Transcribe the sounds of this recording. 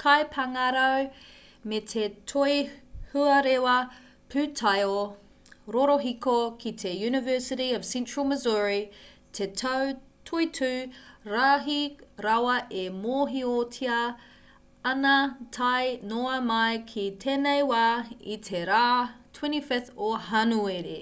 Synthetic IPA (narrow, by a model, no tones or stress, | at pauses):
kʰajpʰɐŋɐɾow | metʰetʰojhʉɐɾewɐ | pʰʉtʰajo | ɾoɾoɦikokʰitʰejʉːnɪvɜːˑsɪɾiəv̥sɛ̃nt͡ʃɹəlˠməzuɹi | tʰetʰow | tʰuitʰʉːɾaːɦiɾawɐʔemoːɦiotʰiɐ | ɐnɐtʰajnoɐmɐjkʰitʰeːnejwaːḭtʰeɾaːtʰwɛ̃nifɪθoɦɐnueɾḭ